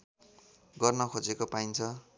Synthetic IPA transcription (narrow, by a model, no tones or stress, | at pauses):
ɡʌrnʌkʰod͡zekopaint͡sʰʌ